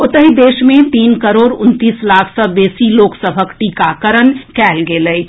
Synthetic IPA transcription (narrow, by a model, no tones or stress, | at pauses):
ʊt̪əɦid̪eːʃmẽt̪iːnkəɾoːɾʊnt̪iːslaːkʰsəbeːsiloːksəbʱəkʈ̪ikakɐɾənkɛːlɡeːləi